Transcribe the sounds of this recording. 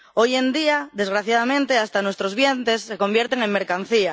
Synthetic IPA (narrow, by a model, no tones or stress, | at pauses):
ojend̪iad̪e̞zɣɾaθjaðamẽnt̪east̪anwest̪ɾozβ̞jent̪esːeko̞mbjeɾt̪eŋeŋmeɾkan̟θia